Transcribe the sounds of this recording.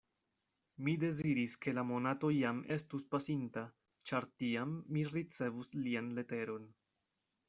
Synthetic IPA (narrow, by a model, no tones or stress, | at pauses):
mide̞ziɾiske̞lamo̞nato̞jame̞stuspasinta | t͡ʃaɾtiamːiɾit͡se̞vuslianle̞te̞ɾo̞n